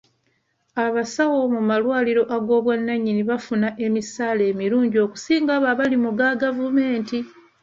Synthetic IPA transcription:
aβasawo̞mumalwaːliɾo̞ʔaɡo̞ːβwanːaɲːiniβafunaʔe̞misaːle̞ːmiɾuːɲɟio̞ːku̥siːŋɡaβaβalimuɡaɡavume̞ːnti

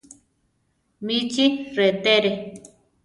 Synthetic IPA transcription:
mit͡ʃiret̪eɾe

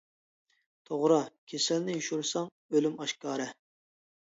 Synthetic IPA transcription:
t̪ʰoʁɾɑkʲʰesɛlnɪjuʃuɾsɑŋ | ølymɑʃkɑːɾɨ

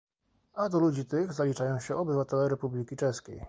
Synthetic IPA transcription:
ad̪ɔlud͡ʑit̪ɘɣzalʲit͡ʂajɔ̃w̃ɕɛʔɔbɘvat̪ɛlɛɾɛpublʲikʲit͡ʂɛskʲḛj

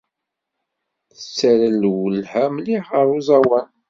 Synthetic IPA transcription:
θət͡sːæɾəlwəlhæmliħəɾˤuzˤɑwæn

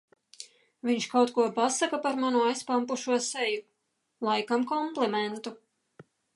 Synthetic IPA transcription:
vʲiɲʃkawt̪kuɔpasakapaɾmanuajspampuʃuɔsɛju | lˠajkamkɔmplˠɛmɛnt̪u

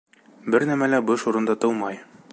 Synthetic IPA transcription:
bɘɾnæmælæbɤʃuɾɤ̆nd̪ɑt̪ɤwˠmɑj

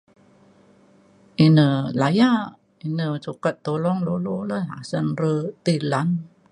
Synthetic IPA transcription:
ʔinəlaja | inəsukət̪̚ːolɔŋlololəɦa̰sənrət̪ilan

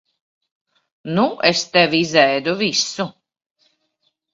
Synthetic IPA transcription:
nuʔɛst̪ɛvizɛjd̪uvisu

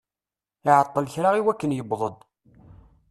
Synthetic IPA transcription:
ɪʕət̪ˤːələçɾaʁiwækːənjəbðˤəd̪ˤ

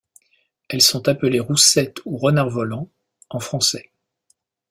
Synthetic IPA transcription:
ɛlsɔ̃t̪apəleʁusɛt̪uʁənaʁvɔlɑ̃ | ɑ̃fχɑ̃sɛ

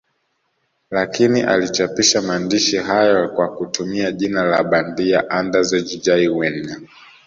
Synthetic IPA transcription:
lakiniʔa̰lit͡ʃapiʃamaːndiʃiɦajɔkwakutumiaʄinalaɓandia̰ʔandazɛd͡ʒid͡ʒaiwɛnːa

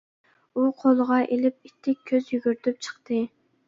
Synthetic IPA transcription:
uqʰolˠʁɑʔelɪp̚it̪ʰːɪk̚ʲʰːøzjyɡʲyɾt̪ʰyp̚t͡ʃʰə̥χt̪ɨ

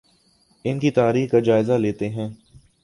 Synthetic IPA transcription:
ɪnkit̪aːɾiːxkad͡ʒaːɪzaleːt̪eɦɛ̃ː

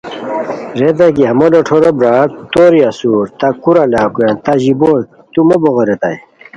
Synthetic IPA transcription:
ɾed̪ɐɡiɦɐmoloʈʰoɾobɾaːt̪oːɾiasuːɾt̪akuɾalaːkuent̪aʑibon | t̪umoboɣɐɾet̪a̰j

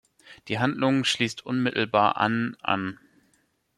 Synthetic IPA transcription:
d̥iːɦandlʊŋʃliːstʔʊnmɪtl̩baːɐʔa̰nʔa̰n

